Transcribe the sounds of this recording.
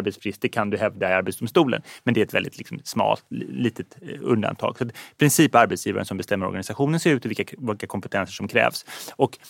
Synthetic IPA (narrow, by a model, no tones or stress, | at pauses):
ɾbɛt̪spʰɾɪst̪əkʰand̪ɵɦɛvd̪aɪaɾbɛt̪sd̪ʊmst̪uːlə̰nmɛnd̪ɛɾɛt̪vɛld̪ɪt̪lɪ̰ksɔmsmɑ̰ːlt̪liːt̪ət̪ɵnd̪a̰nt̪ʰɑ̰ːɡ̥sɔat̪pʰɾɪnsiːpaɾbɛt̪sjiːva̰ɾənsɔmbɛst̪ɛmːəɾɔ̰ɾɡanɪsaɧuːnənseːɾʉːt̪ɔvɪlkːavɪlkːakʰɔmpɛt̪ʰɛnsəʂɔmkʰɾɛ̰ːvsɔk